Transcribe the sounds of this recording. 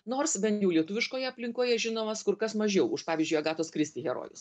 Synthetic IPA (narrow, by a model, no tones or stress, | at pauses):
noːrsbʲɛnt̪ʲjɛʊlʲiɛt̪ʊʋʲɪʃkoːjɛɐpʲlʲɪŋkoːjɛʒʲɪnoːmɐskʊɾkɐsmɐʒʲɛʊʊʃpɑːʋʲizʲd͡ʒʲʊɐɡɑːt̪oːskɾʲɪsʲt̪ʲiːɣʲɛɾo̰ːjʊs